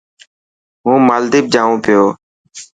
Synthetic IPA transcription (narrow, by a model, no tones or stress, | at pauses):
ɦũːmaːld̪iːb̚d͡ʒãːʋũːpɪjoː